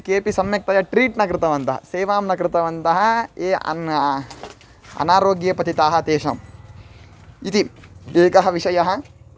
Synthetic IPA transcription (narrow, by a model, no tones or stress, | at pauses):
keːpisɐmjɐk̚t̪ɐjɐʈɾiːʈnɐk̬ɾɪt̪ɐʋɐnt̪ɐɦɐ̰seːʋaːmnɐkɾɪt̪ɐʋɐnt̪ɐɦɐ̆ḛː | ɐ̰naːɾoːɡjɐpɐt̪it̪aːɦɐ̆t̪eːʃɐ̰m | it̪ieːkɐɦɐʋiʂɐjɐɦɐ